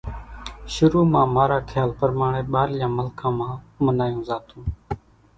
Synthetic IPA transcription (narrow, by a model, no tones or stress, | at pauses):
ʃʊɾuːmãːmaːɾaːkʰjaːlpəɾmaːɳeːɓaːɾjãːməlkʰãːmãː | mənaːjũːzaːt̪ũː